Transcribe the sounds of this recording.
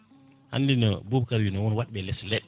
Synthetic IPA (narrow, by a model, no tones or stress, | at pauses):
ha̰ndinɔ̰bubkaɾwinɔwɔnwaɗɓɛlɛslɛɗ